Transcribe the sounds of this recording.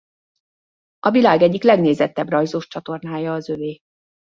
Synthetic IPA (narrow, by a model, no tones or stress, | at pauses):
ɒvilaːɡɛɟːiklɛɡneːzɛt̪ːɛbrɒjzoʃt͡ʃɒt̪o̞rnaːjɒːzøveː